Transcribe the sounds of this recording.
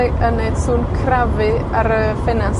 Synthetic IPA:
iʔənejdsuːnkʰravɨ | aɾəfɛnas

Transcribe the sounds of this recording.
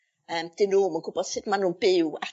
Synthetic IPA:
əːmd̥ɪnuːmənɡ̥ʊbɔð̥sɪdmanuːnb̥ɪwa

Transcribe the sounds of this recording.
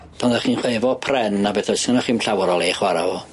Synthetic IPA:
pʰɔndaχinχweɨvɔpʰrɛnːabɛθɔsanɔχiːmɬawɾɔlˠeːχwaɾa̰ɔ

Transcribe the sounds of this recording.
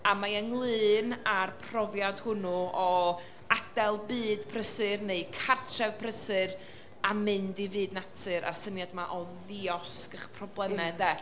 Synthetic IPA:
amajəŋlˠɨːnarpʰrɔvjadhʊnuɔ | ad̥ɛlˠbɨːd̥pʰrəsɨrneɨkʰartʰrɛvpʰrəsɨr | amɨndivɨːdnatʰɨɾa̰sənjadmaʔɔ | viɔskəχpʰrɔblˠɛmɛdɛ

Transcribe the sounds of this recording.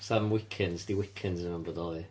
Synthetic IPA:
samwɪkʰɪ̃nzðiwɪkʰɪ̃nzɹɪmɛ̃mbəðɔlˠi

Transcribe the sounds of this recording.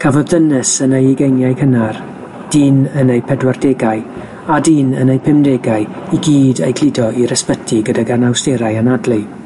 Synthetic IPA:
kʰavɔdðənɨsənejɛɡejnjajkʰənar | d̥iːnənejpʰɛdwardɛɡaɨ | adiːnə̰nejpʰɪmdɛɡajiɡiːdḛjkʰl̥ɪdɔiɾɛspətʰiɡədaɡarnawsteɾajanadlɨ

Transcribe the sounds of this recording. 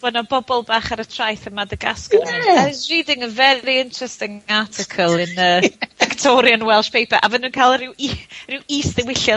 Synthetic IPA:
wənɔbɔbɔlˠbaːχaɾətʰrajθəmadəɡa̰skɔnasriːdɪŋəvɛɾiɪntʰr̥ɛstɪŋatʰɪkʰəlˠɪnəvɪktʰɔɾjənwɛlˠʃpʰejpʰaʔavənuːnkʰalˠrɪwirɪwiːsdɛwɪɬjɔ

